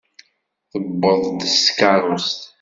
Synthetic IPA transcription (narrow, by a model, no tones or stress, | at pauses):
θəbːəðˤd̪əskɑɾˤʊst̪